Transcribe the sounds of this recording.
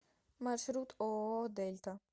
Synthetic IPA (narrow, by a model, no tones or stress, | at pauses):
mɐɾʃɾuːt̪oːoːd̪ejlt̪ɐ